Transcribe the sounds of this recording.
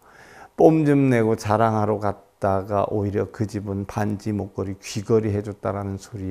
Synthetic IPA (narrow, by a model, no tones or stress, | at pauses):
p͈omd͡ʑɯmne̞ɡot͡ɕaɾaŋɦaɾokat̚t͈aɡa̰ʔoiɾjʌkɯd͡ʑibɯnpand͡ʑimok͈ʌɾikɥiɡʌɾiɦe̞d͡ʑot̚t͈aɾanɯnsʰoɾi